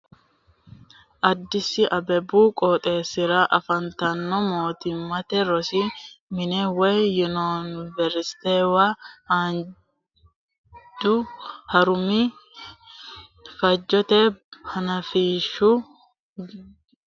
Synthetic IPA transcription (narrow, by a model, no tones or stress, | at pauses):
ʔɐd̪ːɪsɪʔɐbɛbuːkʼɔːt̪ʼe̞ːsɪɾaʔɐfɐnt̪ɐnːɔmoːt̪ɪmːɐt̪ɛɾɔsimɪnɛweːjʊnɔnvɛɾst̪ewahan | d͡ʒuhɐɾʊmi | fɐd͡ʒːɔt̪ehɐnɐfiːʃu